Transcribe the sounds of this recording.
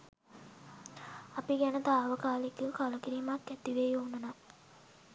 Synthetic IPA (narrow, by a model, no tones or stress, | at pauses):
apiɡɛnət̪aːʋəkaːlikukaləkiɾiːmakːɛt̪iʋejuunːəna